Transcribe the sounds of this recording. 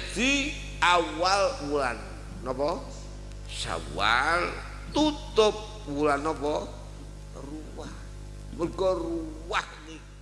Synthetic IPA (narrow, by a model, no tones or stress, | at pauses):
d̪̥i | awalwulanː | ɔpɔ | sa̰wa̰l | t̪ut̪ʊp̚ | wulanːɔpɔ | ruwah | mərkɔruwahni